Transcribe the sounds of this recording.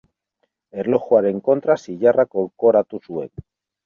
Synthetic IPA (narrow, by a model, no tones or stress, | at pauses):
eɾloχwaɾeŋko̞nt̪ɾasiʝarakolkoɾat̪usuḛn